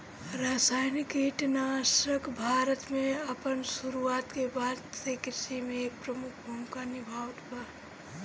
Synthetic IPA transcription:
ɾaːsaːɪnɪkiʈnasəkbʱaːɾət̪mẽɐpənsʊɾuaːt̪kebad̪sekɪsimepɾəmʊkʰbʱəmkanɪbʱaːwt̪pa

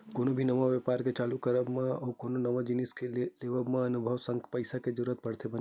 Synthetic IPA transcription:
koːnobʱinɐmaʋjəpaːɾket͡ʃaːlukəɾəbmẽɔːɾkoːnonɐmad͡ʒiniskeleːʋəbmẽɐnʊbʱəʋsə̃ŋɡpɐɪsaked͡ʒʊɾuət̪̚pɐɽt̪ʰebɐ

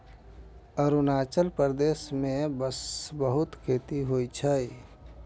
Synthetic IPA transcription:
əɾunaːt͡ʃəlpəɾd̪eːsmẽbəsbəɦʊt̪kʰeːt̪iɦoit͡ʃʰəi

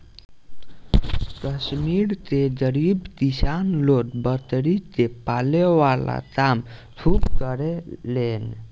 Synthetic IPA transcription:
kəsmiɾt̪ed͡ʒəɾibt̪isanlot̪bət̪ɾit̪epaleʋala̰kam | sʰupkəɾelen

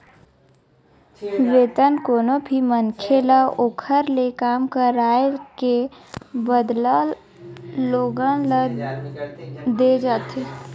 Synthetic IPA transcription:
ʋeːt̪ənkoːnobʱimənkʰelaoːkʰəɾlekaːmkəɾaːelke | bəd̪lal | loːɡãlə | d̪ed͡ʒaːt̪e

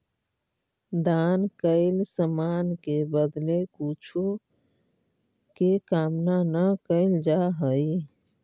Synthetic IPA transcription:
d̪ankəɪlsəmankebəd̪lekut͡ʃʰu | kekamnanəkəɪld͡ʒaɦəj

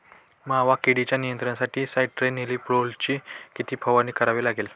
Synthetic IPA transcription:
maʋakeɽit͡ɕjanijənt̪ɾənsaʈiːsaiʈʈɾeniliːpɽolt͡ɕiːkit̪iːpʰəʋaniːkəɾaʋiːlaɡel

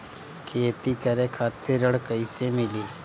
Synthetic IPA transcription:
kʰeːt̪ikəɾẽkʰaːt̪ːɪɾəɽkəɪsemɪliː

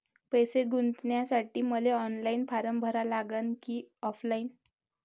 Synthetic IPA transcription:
pəjseɡunt̪njasaʈiːməleɔnlainfaɾəmbʱəɾalaɡənkiːɔflaiːn

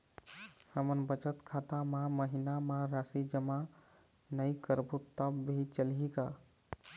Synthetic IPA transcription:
həmənbət͡ʃət̪kʰat̪amaməɦinamaɾasid͡ʒəma | nəjkəɾbut̪ːəbbʱit͡ʃəlika

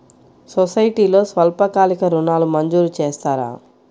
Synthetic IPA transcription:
sosɐjʈiːlo̞ːsʋɐlpɐkaːlikɐɾunaːlumɐɲd͡ʒuːɾut͡ʃeːst̪aːɾa̰ː

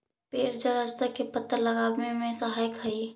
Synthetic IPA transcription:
peɾd͡ʒəɾəd͡ʒt̪əkepət̪ːəɾləɡabmemẽsəɦajkɦəi

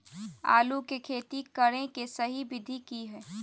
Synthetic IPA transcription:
a̰ːlukekʰeːt̪ikɐɽẽkesɐɦibɪd̪ʱikiɦɛː

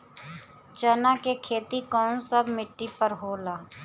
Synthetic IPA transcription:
t͡ʃənakekʰeːt̪ikɔːnsəbmɪʈːipəɾɦoːlaː

